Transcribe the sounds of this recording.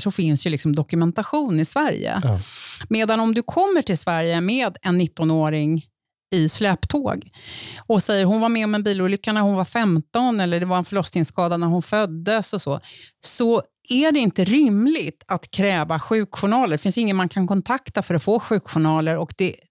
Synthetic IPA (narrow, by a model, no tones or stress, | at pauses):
sɔfɪnsjɵlɪksɔmd̪ɔkɵmɛnt̪aɧuːnɪsvæɾjə̰ | meːd̪anɔmd̪ɵkʰɔmːəʈʰɪlsvæɾjəmeːd̪ɛnːɪt̪ːɔnoːɾɪŋ | ɪslɛːpt̪ʰo̰ːɡɔsɛjːəɾɦʊnvaɾmɛɔmɛnbiːluːlʏkːanæɾhʊnvaɾfɛmt̪ɔnɛlːəɖɛvaɾɛnfœɭɔsnɪŋskɑːd̪anæɾhʊnfœd̪ːəsɔsɔːsɔ | æɖɛɪnt̪əɾɪmlɪɡt̪at̪kʰɾɛːvaɧʉ̟ːkɧʊɳɑːləɖɛfɪnsjɪŋːənmankʰankʰɔnt̪ʰakt̪afœɾɔtfoːɧʉ̟ːkɧʊɳɑːləɾɔkd̪ɛ